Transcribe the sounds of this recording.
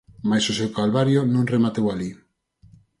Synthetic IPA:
majsosewkalβaɾjʊnõŋremat̪ewali

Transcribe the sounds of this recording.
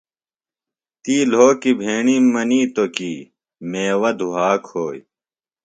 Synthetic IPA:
t̪iːloːkibʱeːɳiːmɐniːt̪okiː | meːwɐd̪ʱuɦaːkhoːj

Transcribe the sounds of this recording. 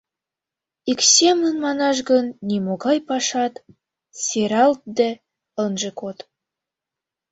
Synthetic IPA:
iksʲemənmɑnɑʃ̬ɡə̆nːʲimoɣɑjpɑʃɑt̪ | sʲeɾɑlt̪̚d̪e | ə̆nʒĕkot̪

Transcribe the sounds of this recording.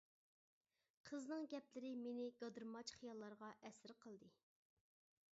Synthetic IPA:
qʰəznɨŋɡʲɛplɪɾɪmenɪɡɑd̪ɨɾmɑt͡ʃχijɑlˠːɑɾʁɑʔɛsɪɾqʰəlˠd̪ɨ

